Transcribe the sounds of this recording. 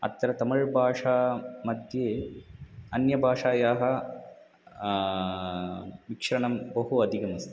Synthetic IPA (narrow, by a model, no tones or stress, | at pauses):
ɐ̰t̪ːɐɾɐt̪ɐmɐɻbʱaːʂaːmɐd̪ʱjeː | ɐnjɐbʱaːʂaːjaːɦɐ̆ | ʋikʂɐɾɐɳɐmbɐɦuɐd̪ʱiɡɐmɐst̪